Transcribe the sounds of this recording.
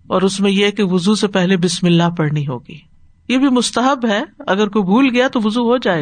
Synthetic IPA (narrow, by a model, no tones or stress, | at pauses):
ɔːɾʊsmẽjekeʋʊzusepɛɦlebɪsmɪlːaɦpɐɽniɦo̰ːɡḭː | jebʱimʊst̪əɦəbɦɛɐɡəɾkoːjbʱuːlɡɐjat̪oʋʊzuɦod͡ʒaːeː